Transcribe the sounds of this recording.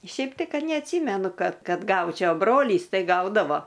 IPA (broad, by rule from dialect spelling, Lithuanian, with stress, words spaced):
ˈʃʲɛɪp tɐɪ ˈkɐt nʲɛɐtʲˈsʲiːmʲɛnʊ ˈkɐt ˈkɐt ˈɡɐʊt͡ʃʲɛʊ ɐ ˈbroːlʲiːs ˈtɐɪ ˈɡɐʊdɐʋoː